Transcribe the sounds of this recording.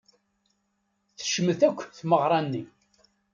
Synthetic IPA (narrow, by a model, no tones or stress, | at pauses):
θə̥ʃəməθækʷːθməʁɾˤɑnːi